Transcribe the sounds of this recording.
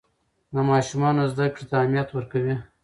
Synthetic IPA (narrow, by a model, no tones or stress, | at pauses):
namɑːʃumɑnozd̪akɽit̪aːmijat̪wəɾkawi